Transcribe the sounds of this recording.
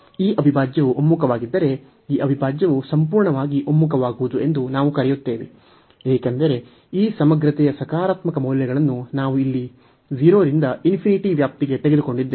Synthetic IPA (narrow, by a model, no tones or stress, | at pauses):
iːʔɐbʱibʱaːd͡ʒjɐʋuʔomːukɐʋaːɡid̪ːɐɾe̞ | iːʔɐbʱibʱaːd͡ʒjɐʋusɐmpuːɾɳɐʋaːɡiʔomːuk̬ɐʋaːɡuʋud̪ue̞nd̪unaːʋukɐɾɛjut̪ːe̞ːʋe | eːkend̪ɐɾe̞ | iːsɐmɐɡɾɐt̪ɛjɐsɐkaːɾaːt̪mɐkɐmɐwljɐɡɐɭɐnːunaːʋuilːi | d͡ʒiɾo̞ːɾind̪ɐinpʰiniʈiʋjaːp̚t̪iɡe̞t̪eɡe̞d̪uko̞ɳɖid̪ːe